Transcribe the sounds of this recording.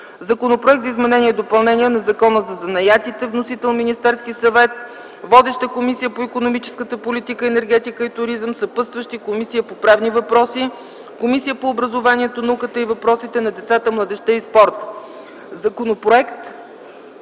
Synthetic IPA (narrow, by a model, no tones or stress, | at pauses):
zɐkonopɾoɛk̚t̪zizmɛnɛniɛd̪opɐlˠnɛnʲiɛnɐzɐkɔnəzɐzɐnɐjat̪it̪ɛvnosit̪ɛlˠminist̪ɛɾskisɐvɛt̪ | vɔd̪ɛʃt̪əkomisijəpoikonomit͡ʃɛ̥skət̪əpolit̪ikəɛnɛɾɡ̟ɛt̪ikəit̪ʊɾizəmsɐpɤst̪vəʃt̪ikomisijəpopɾavnivɐpɾɔsi | komisijəpoːbɾəzovaniɛt̪onɐukət̪əivɐpɾɔsit̪ɛnɐd̪ɛt̪sat̪əmlˠɐd̪ɛʃt̪ɛispɔɾt̪ | zɐkonopɾoɛkt̪